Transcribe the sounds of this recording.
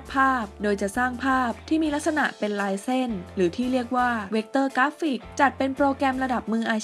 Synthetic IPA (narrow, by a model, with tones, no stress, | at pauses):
t̚pʰaː˥˩p̚doː˧jt͡ɕa˨˩ʔsaː˥˩ŋpʰaː˥˩p̚t̪ʰiː˥˩miː˧la˦˥k̚sa˧na˨˩ʔpe˧nlaː˧jse˥˩nɾɯː˩˦t̪ʰiː˥˩ɾi˥˩ək̚waː˥˩we˦˥k̚t̪ɤː˥˩kaː˦˥fi˨˩k̚t͡ɕa˨˩t̪̚pe˧npɾoː˧kɾɛ˧mɾa˧da˨˩p̚mɯː˧ʔaː˧